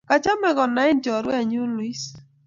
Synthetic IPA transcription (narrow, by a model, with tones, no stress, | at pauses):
ka˨t͡ʃa˦mɛ˨ɡɔ˨na˨˦ɪ˦nd͡ʒɔ˨ɾwɛ˦˨ɲu˦lwi˦s